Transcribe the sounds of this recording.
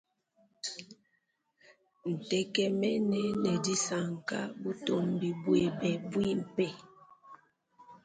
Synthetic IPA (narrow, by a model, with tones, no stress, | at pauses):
n̩˨tɛ˦kɛ˦mɛ˦nɛ˦nɛ˨di˦sa˨ŋ˨ka̰˦bu˦to˦˨mbi˨bwe˨bɛ˨bwi˦m̩˨pɛ˦˨